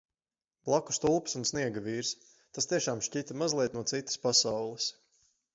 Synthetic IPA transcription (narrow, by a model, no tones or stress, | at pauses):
blˠaku̥st̪ulˠpsunsniɛɡavʲiːɾs | t̪ast̪iɛʃaːmʃʲcit̪amazlˠiɛnuɔt̪sit̪ə̥spasawlˠɨs